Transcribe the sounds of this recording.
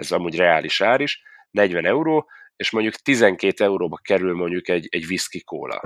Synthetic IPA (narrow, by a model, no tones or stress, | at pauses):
ɛzɒmuːɟrɛaːliʃaːɾiʃ | nɛɟʋɛnɛuɾoːeːʃmo̞ɲɟukt̪izɛŋkeːt̪ɛuɾoːbɒkɛɾylmo̞ɲɟukɛɟɛɟʋiskiko̰ːlɒ̰